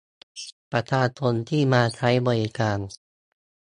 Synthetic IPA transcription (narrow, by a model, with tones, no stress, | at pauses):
pɾa˧t̪ʰaː˧t̪ʰo˧nt̪ʰiː˥˩maː˧t̪ʰa˦˥jbɔː˧˩ɾi˧˦kaː˧n